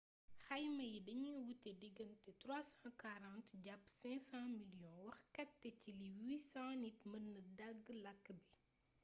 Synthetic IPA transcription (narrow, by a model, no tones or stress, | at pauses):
xɐjmɐjidɐɲiwutːɛdiɡɐmtɛtɾasãkaɾãntɟapːsɛ̃ksãmiljɔ̃nwɐxkɐtːɛciliwiːsãnitmənədaɡːlɐkːbi